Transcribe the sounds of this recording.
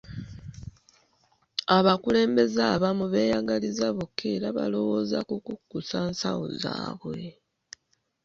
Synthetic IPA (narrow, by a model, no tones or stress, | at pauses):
aβakule̞ːmbe̞zaβamuβe̞ːjaɡalizaβokʰːeɾaβa̰lo̞wo̞ːzakukukːusansao̰za̰ːβwe̞